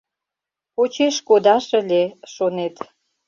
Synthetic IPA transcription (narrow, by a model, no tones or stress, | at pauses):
pot͡ɕeʃkod̪ɑʃəlʲeʃonet̪